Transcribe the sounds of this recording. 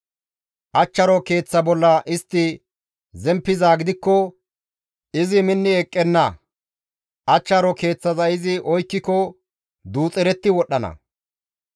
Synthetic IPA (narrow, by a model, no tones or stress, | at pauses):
ʔɐt͡ʃːɐɾɔke̞ːt͡sːɐbɔlːɐʔɪst̪ːɪ | zɛmpːɪzaːɡɪd̪ɪkːɔ | ɪzɪmɪnːɪɛkʼːɛnːɐ | ʔɐt͡ʃːɐɾɔke̞ːt͡sːɐzɐjɪzɪʔɔjkːɪkɔ | d̪uːt͡sʼɛɾɛt̪ːɪwɔɗːɐnɐ̰